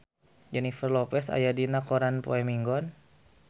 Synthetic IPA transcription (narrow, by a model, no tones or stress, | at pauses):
d͡ʒɛnifərlɔpɛsa̰jadinakoɾanpo̰ɛmiŋɡɔn